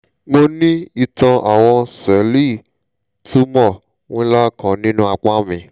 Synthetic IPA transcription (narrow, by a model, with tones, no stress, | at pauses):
ɡ͡bo˧nĩ˦i˧tã˧ʔa˨w̃ɔ̃˧sɛ˨˦li˦˨ | tʰu˦mɔ˦˨ | wũ˦la˦˨kã˨nĩ˦nũ˦a˧k͡pa˦mĩ˧˨